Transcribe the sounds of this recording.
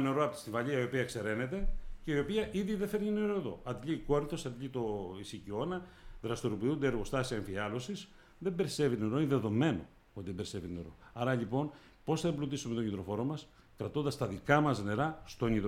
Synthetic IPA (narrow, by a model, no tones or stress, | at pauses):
neɾoɐpot̪ist̪iɱvɐʎiɐio̞piɐekse̞ɾe̞ne̞t̪e̞ce̞io̞piɐʔiðiðefeɾɲine̞ɾo̞eðo̞̰ɐt̪ʎiko̞ɾiθo̞sɐt̪ʎit̪o̞isicio̞nɐðɾɐst̪oɾopiund̪eeɾɣo̞st̪ɐsiɐeɱfiɐlo̞sis | ðembe̞ɾise̞vit̪ne̞ɾo̞ineðe̞ðo̞me̞no̞̰ | o̞t̪iðebeɾisevine̞ɾo̞̰ɐɾɐʎipo̞n | po̞sθɐblut̪isumet̪oɲit̪ɾo̞fo̞ɾo̞mɐs | kɾɐt̪o̞nd̪ɐst̪ɐðikɐmɐzne̞ɾɐst̪o̞ɲit̪